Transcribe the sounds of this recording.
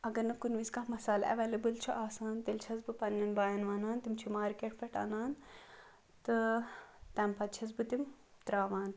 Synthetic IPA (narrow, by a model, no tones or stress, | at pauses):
ɐɡɐɾnɐkunʋiskamɐsaːlɐ̰ʋeːlɐbɨlt͡ʃʰiʔaːsaːnt̪elt͡ʃʰɐzbɨpɐnːɐnbaːjɐnʋaːnaːnt̪imt͡ʃʰumaːɾkeʈfʰɐʈa̰ːnaːn | t̪ɨ | t̪ɛːmpɐt̪̚t͡ʃʰɐzbɨt̪im | t̪ɾaːʋaːn